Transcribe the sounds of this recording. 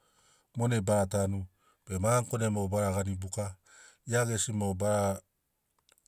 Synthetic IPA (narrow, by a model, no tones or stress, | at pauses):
monebaɾatanu | bemaŋkonemobaɾaɡanibuka | iaɡesimobaɾa